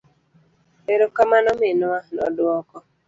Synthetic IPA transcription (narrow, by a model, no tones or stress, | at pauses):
eɾokamanɔmɪnwanɔ̰dwɔkɔ